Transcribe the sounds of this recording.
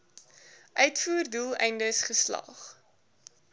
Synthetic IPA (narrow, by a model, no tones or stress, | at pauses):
ʔœɥtfuːrdulˠɛ̰jndəsχəslɑ̰χ